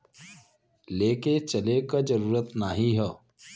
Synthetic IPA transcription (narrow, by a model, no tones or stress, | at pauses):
leːket͡ʃɐlekad͡ʒəɾuːɾət̪naɦiɦɛ